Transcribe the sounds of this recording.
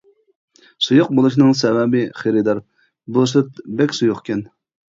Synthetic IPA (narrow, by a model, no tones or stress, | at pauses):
sujʊq̚bolˠuʃnɨŋsɛwɛbɪχeɾɨd̪ɑɾ | bulˠɨʃ̬ɨt̪̚bɛkʲsujʊχkʲɛn